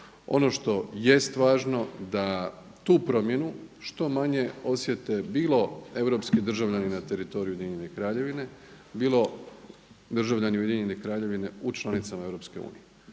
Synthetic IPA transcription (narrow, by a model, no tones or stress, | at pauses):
o̞̰no̞ʃt̪o̞je̞st̪ʋaːʒno̞d̪a | t̪uːpɾo̞mje̞nuʃt̪o̞maɲe̞o̞sje̞t̪e̞biːlˠo̞e̞ʋɾo̞pskid̪r̩ʒaʋʎaninat̪e̞ɾit̪o̞ɾijujeiɲenekɾaːʎe̞ʋine̞ | biːlˠo̞ | d̪r̩ʒaʋʎaniuje̞d̪iɲe̞nekɾaːʎe̞ʋine̞ut͡ʃlˠanit̪samae̞ʋɾo̞pske̞ṵːnije